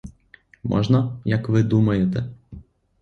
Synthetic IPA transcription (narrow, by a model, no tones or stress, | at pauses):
mɔ̰ʒnɐjɐkʋɪd̪umɐjet̪ɛ